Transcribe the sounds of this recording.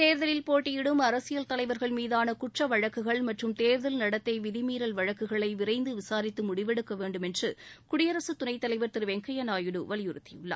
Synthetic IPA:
t̪eːɾðɐlɪlpoːʈːɪjɪɽɯmɐɾɐsɪjɐlt̪ɐlɐɪʋɐɾɣɐɭmiːðaːnɐkʊʈrɐʋɐɻɐkːɯɣɐɭmɐʈrɯmt̪eːɾðɐlnɐɽɐt̪ːɐɪʋɪðɪmiːɾɐlʋɐɻɐkːɯɣɐɭɐɪʋɪɾɐɪnd̪ɯʋɪsaːɾɪt̪ːɯmʊɽɪʋɛɽɯkːɐʋeːɳɖɯmɛndrɯkʊɽɪjɐɾɐsɯt̪ʊnɐɪt̪ːɐlɐɪʋɐɾt̪ɪɾʋɛŋkʰɐjɐnaːjɯɽɯʋɐlɪjʊɾɯt̪ːɪjɯɭːa̰ː

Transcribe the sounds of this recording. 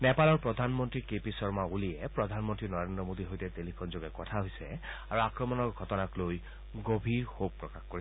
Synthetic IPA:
nɛpalɔɹpɹɔdʱanmɔntɹikepisɔɹmaulijɛpɹɔdʱanmɔntɹinɔɹendɹɔmodiɦojtɛtelikʰɔnzoɡɛkɔtʰaɦojsɛaɹuakɹɔmɔnɔɹɡʱɔtɔnakloj | ɡobʱiɹxoɡ̚pɹɔkaxkoɹi

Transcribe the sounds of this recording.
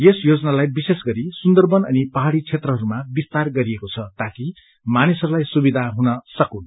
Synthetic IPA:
jesjod͡zʌnalajbisesɡʌɾisund̪ʌrbʌnʌ̰nipʌɦaɽit͡sʰet̪rʌɦʌɾumabist̪arɡʌɾiekot͡sʰʌt̪aki | manisʌɾulajsubid̪ʱaɦunʌsʌkun

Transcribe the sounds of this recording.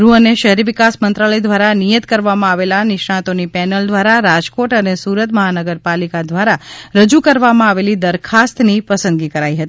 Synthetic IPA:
ɾuəneʃəɦɾiʋɪkasmənt̪ɾaləjd̪ʋaɾanijət̪kəɾʋamãaʋelanɪʃɳãt̪onipɛnəld̪ʋaɾaɾad͡ʒkoʈənesuɾət̪məɦanəɡəɾpalikad̪ʋaɾaɾəd͡ʒukəɾʋamãaʋelid̪əɾkʰast̪nipəsənd̪ɡikəɾaiɦət̪i

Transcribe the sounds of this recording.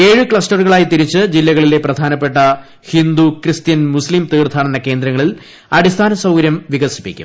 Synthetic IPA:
e̞ːɻɨkɭɐsʈɐrɣɐɭaːjit̪iɾit͡ɕːɨd͡ʑilːɐɣɐɭile̞prɐd̪ʱaːnɐp̬ːe̞ʈːɐ | hind̪ukrɨst̪jɐnmuslimt̪iːrt̪ʰaːɳenːɐke̞ːnd̪ɾɐŋːɐɭil | ɐɽist̪ʰaːnɐsɐwɡɐɾjɐmʋiɣɐsi̥pːikʲːṵm

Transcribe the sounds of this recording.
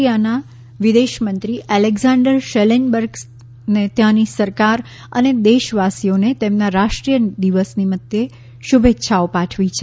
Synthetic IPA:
ijana | ʋid̪eʃmənt̪ɾiʔɛleɡzãɳɖəɾʃelenbəɾɡ | net̪jãnisəɾkaɾ | ə̰ned̪eʃʋasijonet̪emnaɾaʃʈɾijəd̪iʋəsniməd̪je | ʃubʱetːʃʰaopaʈʰʋit͡ʃʰe

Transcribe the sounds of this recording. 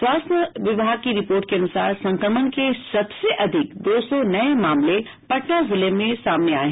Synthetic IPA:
swaːsnəʋɪbʱaːɡ̚kiɾɪpoːɾʈkʰeɐnʊsaːɾsɐ̃ŋkɾəmən̆kʰesɐbseʔɐd̪ʱɪk̚d̪oːsɔnɐemaːmle | pɐʈnazɪləjmːẽsaːmnea̰ːɦɪ

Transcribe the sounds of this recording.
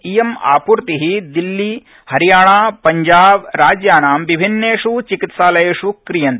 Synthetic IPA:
ijema̰ːpuɾt̪iɦid̪ilːi | hɐɾijaːɳaːpɐɲd͡ʒaːʋɾaːd͡ʒjaːnaːmʋibʱinːeːʂut͡ʃikit̪ʃaːlɐjeːʂukɾijɐnt̪

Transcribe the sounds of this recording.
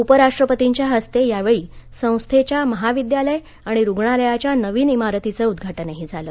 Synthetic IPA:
upəɾaʂʈɾəpət̪iɲt͡ɕjaɦəst̪ejaʋeɭiːsə̃w̃st̪ʰet͡ɕjaməɦaʋid̪jaləj | aɽ̃iɾuɡɳaləjat͡ɕjanəʋiːnimaɾət̪it͡səud̪ɡʱaʈənaɦid͡zʱaləː

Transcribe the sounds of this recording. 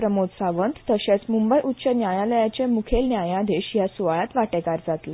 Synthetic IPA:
pɾəmod̪saʋənt̪t̪əɕet͡smumbəjʔutːɕənjajaləjat͡ɕẽmukʰelnjajãd̪eɕjasuʋaɭat̪ʋaʈɛkaɾd͡zat̪la

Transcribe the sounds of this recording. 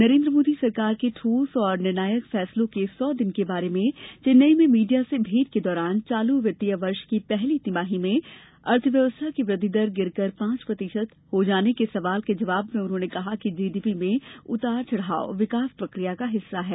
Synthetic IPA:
nɐɾẽːnd̪ɾəmoːd̪isɐɾkaːɾkeʈʰuːsɔːɾnɪɾnaːjəkfɛːslõkesɔːd̪ɪnkebaːɾemẽt͡ʃɪnːəimẽmiːɖijasebʱiːd̪̚ked̪ɔːɾaːnt͡ʃaːluʋjɐt̪ijəʋɐɾʃkipɛɦlit̪ɪmaːɦimẽ | ɐɾt̪ʰəʋjɐʋəst̪ʰakiʋɾɐd̪ʱɪd̪əɾɡɪɾkɐɾpãːt͡ʃpɾɐt̪ɪʃət̪ | hod͡ʒaːnekesɐʋaːlked͡ʒɐʋaːbmẽʊnɦõːnekɐɦakid͡ʒiːd̪iːpimẽʊt̪aːɾt͡ʃɐɽ̤a̰ːo̰ʋɪkaːspɾɐkɾijakaɦɪsːaɦɛː

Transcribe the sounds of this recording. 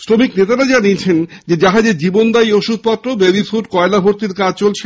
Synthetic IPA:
sɾomiknet̪aɾad͡ʑaniet͡ɕʰend͡ʑed͡ʑaɦad͡ʑed͡ʑibond̪ajoʃud̪̚ʱpat̪ːɾobeɾifuɖ̚kɔelabʱoɾt̪iɾkad͡ʑt͡ɕolt͡ɕʰe

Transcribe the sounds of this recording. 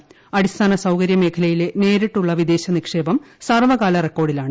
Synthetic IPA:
ɐɽist̪ʰaːnɐsɐwkɐɾjɐme̞ːkʰɐlɐjile̞ne̞ːɾiʈːuɭːɐʋid̪e̞ːɕɐnikʂe̞ːbɐm | sarʋɐɣaːlɐrekːo̞ːɽilaːɳɨ

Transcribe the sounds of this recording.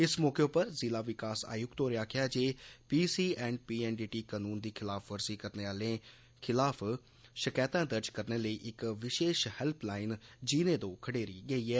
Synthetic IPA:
ɪsmɔːkeːʊpəɾzɪlaːʋɪkaːsa̰ːjʊkt̪oːɾɪjaːkʰɪjaːd͡ʒeːpiːsiːɛ̃ːɳɖ̚piːɛːnɖiːʈiːkaːnuːnd̪iːkʰɪlaːfʋəɾsiːkəɾneːaːlẽː | kʰɪlaːpʰ | ʃəkɛːt̪ãːd̪əɾd͡ʒkəɾneːləiːʔɪkʋɪʃeːʃhɛlplaːɪnd͡ʒiːnẽːd̪õːkʰəɽeːɾiːɡəiːɛː

